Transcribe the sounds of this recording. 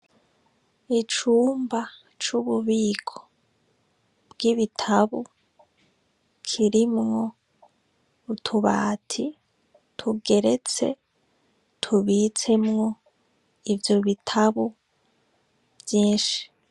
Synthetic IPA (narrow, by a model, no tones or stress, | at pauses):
it͡ʃuːmba | t͡ʃuβuβiːɡʰo̥ | bɡiβitʰaβu | kʰiɾimŋo̞ | tʰuβa̰ːtʰi | tʰuɡe̞ɾet͡se̞ | tʰuβit͡se̞mŋo̞ | ivjoβitʰaβu | b̥jiːnʃi̥